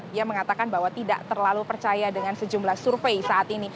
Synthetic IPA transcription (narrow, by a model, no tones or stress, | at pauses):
diaməŋat̪akanbaɦwat̪ida̰ʔt̪ərlalupərt͡ʃajadəŋansəd͡ʒumlahsurfejsaʔat̪ini